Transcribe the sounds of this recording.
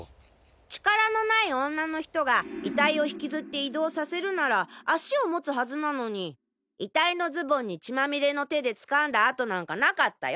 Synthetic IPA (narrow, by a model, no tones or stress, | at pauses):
t͡ɕi̥kaɾano̞naiõ̞nːano̞çi̥t̪o̞ɡait̪aio̞çi̥kʲizɨt̪ːe̞id̪o̞ːsase̞ɾɯ̟naɾaːɕio̞mo̞t͡sɨɦazɨnano̞ɲ̟i | it̪aino̞zɨbõ̞ɲ̟ːit͡ɕimamʲiɾe̞no̞t̪e̞d̪e̞t͡sɨ̥kãnd̪aːt̪o̞nãŋkanakat̪ːa̰jo